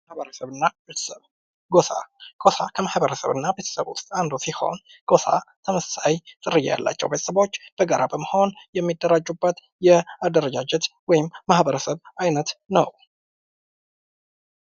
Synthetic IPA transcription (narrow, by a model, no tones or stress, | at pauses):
həɾəsəβɨnːae | ɡosaɡ̥o̞sakʰəmahbəɾəsə̰βɨnːabe̞t̪ʰə̥səβṵst̪ʼand̪osiho̞̰n | ɡ̥o̞sa̰t̪ʰəməssajt̪ʼɨrɨjːa̰ja̰lːa̰t͡ʃːɛ̰wbe̞t̪ʰə̥səβo̞t͡ʃːb̥əɡaɾʔabəməho̞njɛmːid̪ːəɾad͡ʒːubːət̪ | jɛad̪əɾəd͡ʒad͡ʒɛt̪wɔjɪmːahbəɾəsəβajnət̪nəw